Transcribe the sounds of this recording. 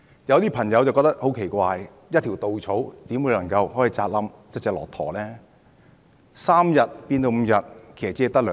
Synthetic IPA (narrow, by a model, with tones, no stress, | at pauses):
jɐ˨˧wt̪iː˥pʰɐ˨˩ŋjɐ˨˧wt͡sɐ˨wkɔː˧k̚t̪ɐ˥k̚ho˨˥wkʰe˨˩jkʷaː˨˧j | jɐ˥t̪̚ʰi˨˩wt̪o˨wt͡sʰo˨˥wt̪iː˨˥mwu˨˧jlɐ˨˩ŋkɐ˧wɦɔː˨˥ji˨˧t͡saː˧t̚lɐ˨˥mt͡sɐ˥t͡sɛː˨k̚lɔ̰ː˨˩t̪ʰɔ̰ː˨˩lɛː˥ | saː˥mjɐ˨t̚piː˧nt̪o˧wm̩˨˧jɐ˨t̚kʰe˨˩sɐ˨˩t͡siː˧˥˨t̪ɐ˥k̚lœː˨